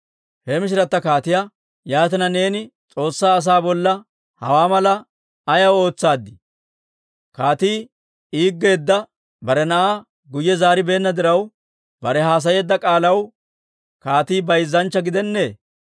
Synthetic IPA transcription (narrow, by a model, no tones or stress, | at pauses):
hɛmɪʃ̬ɪɾɐt̪ːɐkaːt̪ɪja | jaːt̪ɪnɐne̞ːnɪt͡sʼo̞ːsːaːs̬aːbɔlːɐ | hɐ̰waːmɐlɐː | jɐwo̞ːt͡sːaːd̪ːɪ | kaːt̪iː | iːɡːe̞ːd̪ːɐ | bɐɾɛnɐʔaː | ɡʊjːɛzaːɾɪbe̞ːnːɐd̪ɪɾɐw | bɐɾɛɦaːs̬ɐje̞ːd̪ːɐkʼaːlɐw | kaːt̪iːbɐjzːɐnt͡ʃːɐɡɪd̪ɛnːe̞ː